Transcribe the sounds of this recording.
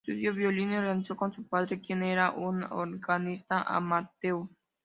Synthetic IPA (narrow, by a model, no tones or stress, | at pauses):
uðjoβjolinoransokonsupaðɾekjeneɾaʔuno̰ɾɣanist̪aʔa̰mat̪ew